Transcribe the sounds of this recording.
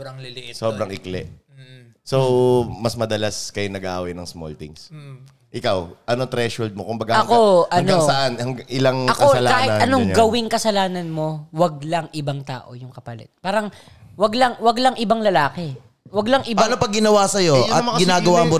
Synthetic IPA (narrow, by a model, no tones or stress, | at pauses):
ɐŋlɪlɪsoːbɾɐŋʔɪklɛ̰ʔ | sowmɐsmɐd̪ɐlaskɐjonɐɡaawɐjnɐŋsmo̰lt̪ɪ̰ŋs | ʔɪkawʔɐnot̪ɾɛʃhold̪̚mokʊmbɐɡahɐko̞ʔɐŋnosɐʔanhɐŋɡŋʔɪlaŋʔɐkosɐlakaːhɪaɐnoŋɲɡɐwɪŋkɐsɐlaːnɐnmo̞wɐɡ̚lɐŋʔɪbaŋt̪a̰ːʔojʊŋkɐpɐlɛ̰t̪̚paːɾɐŋ | wɐɡlɐŋwɐɡlɐŋʔɪbɐŋlɐlaːkɛ | wɐɡlɐŋʔɪbpanopɐɡɪnɐwasɐjoɐmɐŋɡɪnaːɡɡɐwamo